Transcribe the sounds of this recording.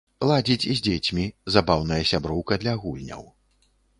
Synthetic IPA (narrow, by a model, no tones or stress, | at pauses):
lˠad͡zʲit͡sʲizʲd͡zʲet͡sʲmʲizabawnɐjɐsʲabɾɔwkɐd̪lʲɐɣulʲnʲɐ̰w